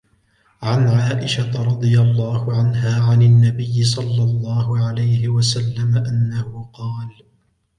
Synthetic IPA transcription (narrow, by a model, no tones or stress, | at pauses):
ʕanʕaːʔɪʃat̪ɾˤɑd̪ˤɨjalˤːɑːhʊʕanɦaːʕananːabɪjːɪs̬ˤɑlːɑlˤːɑːhʊʕalajhɪwasalːamaʔanːahʊqɑːl